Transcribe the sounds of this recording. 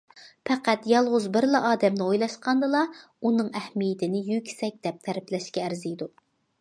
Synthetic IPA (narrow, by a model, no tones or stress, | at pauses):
pʰɛqæt̪jɑlˠʁʊzbɪɾlˠɑʔɑːd̪ɛmnɨojlˠɑʃqɑnd̪ɨlˠɑ | unɨŋɛhmijɪt̪ʰɪnɪjykʲʰsɛk̚ʲd̪ɛp̚t̪ʰɛɾɪplɛʃkʲɛːɾzijd̪u